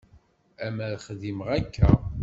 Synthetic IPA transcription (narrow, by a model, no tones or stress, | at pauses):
æmæðχðiməʁækːæ